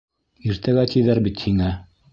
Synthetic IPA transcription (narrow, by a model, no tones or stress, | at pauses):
iɾt̪æɡæt̪ʲiðæɾbit̪hiŋæ